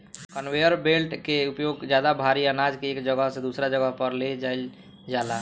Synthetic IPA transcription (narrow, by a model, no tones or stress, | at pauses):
kənwejəɾbelʈkeupjoɡd͡ʒjad̪abʱaɾiənad͡ʒkeːkd͡ʒəɡəɦsẽd̪usɾad͡ʒəɡəɦpəɾled͡ʒajl | d͡ʒala